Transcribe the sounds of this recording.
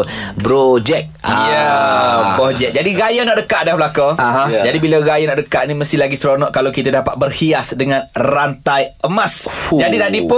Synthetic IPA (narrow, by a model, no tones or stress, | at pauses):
bɾod͡ʒɛk̚jə | bɔd͡ʒɛk̚d͡ʒadiɣajanaʔ̚dəkaʔ̚dabəlakoaɦãd͡ʒadibilaɣajanaʔdəkaʔ̚niməst̪ɪlaɡist̪əɾonɔʔkalawkit̪adapat̪̚bərhiasdəŋãnrant̪ajəmãsd͡ʒadit̪adipʊ